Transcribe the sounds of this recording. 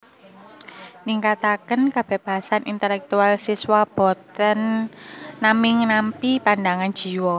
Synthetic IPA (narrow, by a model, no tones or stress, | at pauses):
niŋkat̪akənkab̥e̤hb̥aɦasanʔint̪ɛlɛk̚t̪ualsiswab̥ɔt̪ənː | amɪŋnampipandaŋan̥d͡ʒ̥i̤wɔ